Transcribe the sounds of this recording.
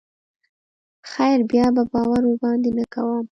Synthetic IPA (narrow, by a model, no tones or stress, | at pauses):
xajɾbjɑbabɑwaɾobɑnd̪enəkawəm